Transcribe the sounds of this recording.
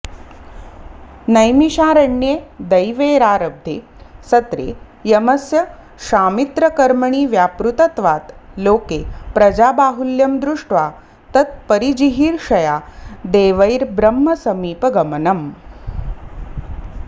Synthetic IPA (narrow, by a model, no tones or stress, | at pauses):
nɐjmiɕaːɾɐɳːjed̪ɐjʋeːɾaːɾɐb̚d̪ʱeː | sɐt̪ɾḛ | jɐmɐsjɐ | ʃaːmit̪ɾɐkɐɾmɐɳiːʋjaːpɾut̪ɐt̪ʋaːt̪loːkepɾɐd͡ʑaːbaːɦuljɐmd̪ɾuʂʈʋa | t̪ɐt̪̚pɐɾid͡ʑiɦiːɾʃɐjaːd̪eːʋɐjɾbɾɐmːɐsɐmiːpɐɡɐmənɐm